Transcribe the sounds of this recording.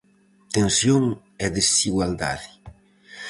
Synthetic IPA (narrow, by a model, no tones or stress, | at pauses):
t̪ẽnsjoŋ | ɛðesiɣwald̪a̰ðɪ